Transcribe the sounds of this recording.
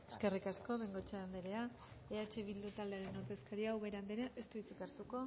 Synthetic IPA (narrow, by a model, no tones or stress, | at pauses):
e̞ske̞rikasko̞βeŋɡo̞t͡ʃeand̪eɾea | eat͡ʃeβild̪ut̪ald̪e̞aɾe̞noɾt̪e̞skaɾiawβe̞ɾand̪eɾaʔest̪uit͡sikaɾt̪uko̞